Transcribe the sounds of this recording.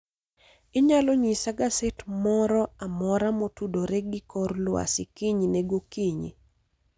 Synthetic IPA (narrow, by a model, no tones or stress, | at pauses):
ɪɲalɔɲisaɡasɛtmɔɾɔamɔɾamotudoɾɛɡɪkɔrlwa̰sɪkiɲinɛɡokiɲḭ